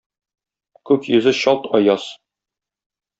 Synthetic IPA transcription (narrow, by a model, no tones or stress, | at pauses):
kʉkjɵ̆zɘɕɒlˠt̪ɒjɑs